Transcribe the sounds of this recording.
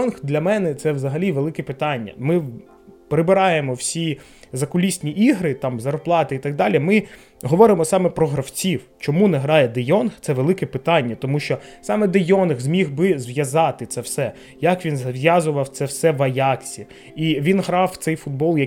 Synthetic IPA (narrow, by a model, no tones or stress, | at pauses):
nxd̪lʲɐmɛnɛt̪sɛwzɐɦɐlʲiʋelˠɪkɛpɪt̪ɑnʲːɐ̰mɪ | peɾɪbɪɾɑjemɔw̥sʲi | zɐkʊlʲisʲnʲiʔiɦɾɪt̪ɑmzɐrplˠɑt̪ɪit̪ɐɡ̚d̪ɑlʲimɪ | ɦɔʋɔɾɪmɔsɑmɛpɾɔɦɾɐwt͡sʲiwt͡ʃɔmunɛɦɾɑjɛd̪ejɔnxt̪sɛʋelˠɪkɛpɪt̪ɑnʲːɐt̪ɔmuʃt͡ʃɔsɑmɛd̪ejɔnxzmʲixbɪzʋʲjɐzɑt̪ɪt̪sɛwsɛ | jɐkʋʲinzɐʋʲjɑzʊʋɐwt̪sɛwsɛʋɐjɑksʲi | iʋʲinɦɾɑwt̪sɛjfʊd̪̚bɔlˠjɐ